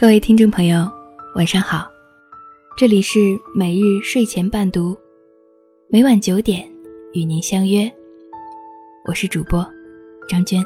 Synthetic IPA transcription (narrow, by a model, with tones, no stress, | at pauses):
kɤ˥˧we˥˩ɪt̪ʰi˥ŋʈ͡ʂo˥˩ŋpʰɤ˧˥ŋjo˨˧ʊwa˨˩nʂɑ˥˧ŋxɑ˨˩˦ʊ | ʈ͡ʂɤ˥˩li˨˩ʂɻ̩˥˩me˨˩ɪɻɻ̩˥˧ʂwe˥˩ɪt͡ɕʰjɛ˧˥npa˥˩nt̪u˧˥ | me˧˥ɪwa˨˩nt͡ɕjo˧˥ʊt̪jɛ˨˩˦ny˨˩ni˧˥nɕjɑ˥ŋjɥɛ˥ | wɔ̰˨˩ʂɻ̩˥˩ʈ͡ʂu˨˩pwɔ˥ʈ͡ʂɑ˥ŋt͡ɕɛ˥n